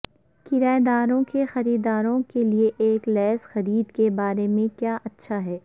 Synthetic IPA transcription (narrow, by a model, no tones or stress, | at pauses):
kɪɾaːed̪aːɾõkexɐɾiːd̪aːɾõkelieʔeːklɛːzxɐɾiːd̪kebaːɾemẽkjaːʔɐtːʃʰaɦɛː